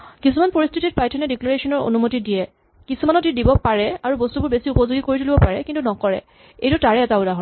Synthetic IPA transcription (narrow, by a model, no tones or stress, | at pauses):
kisumanpoɹistʰitit̚pajtʰɔnɛdikloɹesɔnɔɹo̰numotidijɛ | kisumanɔtidibɔpaɹɛaɹubostubʊɹbesiupɔzoɡikoɹitʰulibɔpaɹɛkintunɔkɔɹɛ̰ | ejtutaɹɛɛtaʊdaɦɔ